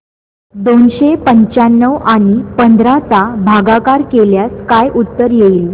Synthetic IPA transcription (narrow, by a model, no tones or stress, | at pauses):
d̪onɕepəɲt͡ɕanːəʋaɽ̃ipənd̪ʱɾat͡sabʱaɡakaɾkeljaskajʔut̪ːəɾjeiːl